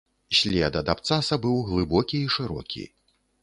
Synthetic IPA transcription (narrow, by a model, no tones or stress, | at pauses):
sʲlʲɛd̪ɐd̪apt̪sasɐbɨwɣlˠɨbɔkʲiːʂɨɾɔ̰kʲḭ